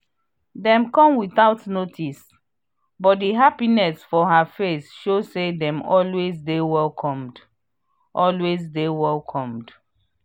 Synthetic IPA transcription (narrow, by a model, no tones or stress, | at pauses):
dɛ̃mkɔ̃mwiθaʊtnotʰis | bɔt̚diɦapinɛsfɔɦafesʃozsedɛ̃mɔlwezdewɛlkʰɔ̃md | ʔɔlwezdewɛlkʰɔ̃md